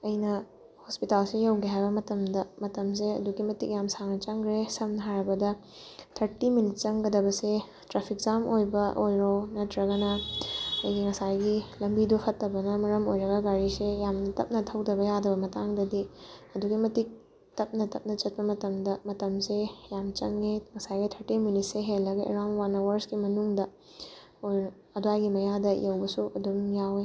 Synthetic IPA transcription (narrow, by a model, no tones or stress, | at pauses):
ɐjnɐ | hospitalsejawɡiɦajbɐmɐtɐmdɐmɐtɐms̬eɐ̰duɡimɐtik̚jamsaŋnɐt͡ʃɐŋɡɾesɐmnɐɦaɾɐbɐdɐ | tʰɐɾtiminit̚t͡ʃɐŋɡɐdɐbɐse | tɾapʰik̚zamʔojbɐʔojɾonɐtʰɾɐɡɐnɐ | ɐ̰jɡiŋɐsajɡilɐmbidupʰɐtːɐbɐnɐmɐɾɐmojɾɐɡɐɡaɾisejamnɐtɐ̰p̚nɐtʰɐwdɐbɐjadɐbɐmɐtaŋdɐdiɐduɡimɐtik̚ | tɐp̚nɐtɐp̚nɐt͡ʃɐt̚pɐmɐtɐmdɐmɐtɐmsejamt͡ʃɐŋːeŋɐsajɡitʰɐɾtimjunit̚seɦelːɐɡɐḛɾawnwanɐwɐɾskimɐnuŋdɐ | o | ɐdoajɡimɐjadɐḭjewbɐsuʔɐduŋjawe